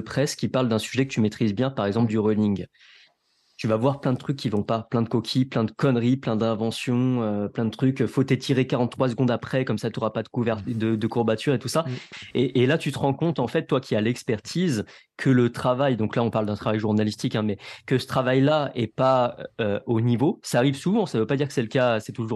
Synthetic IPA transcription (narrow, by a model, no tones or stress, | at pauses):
əpχɛskʲipaʁld̪ɛ̃syʒɛkət̪ymet̪χizbjɛ̃paʁɛɡzɑ̃pld̪yʁølĩŋɡ | t̪yvavwaʁplɛ̃d̪ət̪χykʲːivɔ̃paplɛ̃d̪əkɔkʲʰiplɛ̃d̪əkɔnʁiplɛ̃d̪ɛ̃vɑ̃sjɔ̃øplɛ̃d̪ət̪χykfot̪et̪ʰiʁekaʁɑ̃t̪ːχwas̬əɡɔ̃d̪apχɛkɔmsat̪oʁapad̪əkuvɛʁt̪d̪əd̪əkuʁbat̪ʰyʁet̪usaeʔelat̪yt̪əʁɑ̃kɔ̃t̪ɑ̃fɛt̪̚ːwakʲialɛkspɛʁt̪ʰiz | kʰələt̪χavajd̪ɔ̃klaɔ̃paʁld̪ɛ̃t̪χavajʒuʁnalist̪ikɛ̃mɛkəsə̥t̪χavajlaɛpaøonivosaːʁivsuvɑ̃savøpad̪iʁkə̥sɛləkaøsɛt̪uʒuʁ